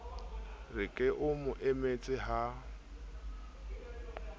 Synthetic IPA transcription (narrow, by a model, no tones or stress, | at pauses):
rɪkʼɪʔʊmʊʔemet͡sʼɪɦa